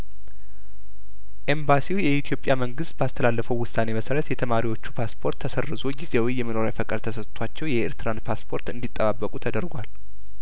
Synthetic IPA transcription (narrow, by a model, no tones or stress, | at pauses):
ʔe̞mbasiwjɛit̪ʰjo̞pʼjaməŋɡɨst̪̚bəast̪ʰəlalːəfəwʊsːane̞məsəɾət̪jɛt̪ʰəmaɾiwo̞t͡ʃːupʰaspʰo̞ɾt̪ʰːəsərːɨzo̞ɡizewijɛmənoɾafəkʼəd̪t̪ʰəsət̪ʼt̪ʰwat͡ʃːɛwjɛḛɾt̪ɨɾand̪pʰaspʰo̞ɾt̪ɨnd̪it̪ʼːəβabːəkʼut̪ʰəd̪əɾɡʷal